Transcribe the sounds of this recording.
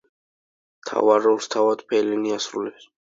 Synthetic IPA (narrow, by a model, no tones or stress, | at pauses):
mt̪ʰa̰vaɾɔlst̪ʰavad̪pʰɛliniasɾulɛps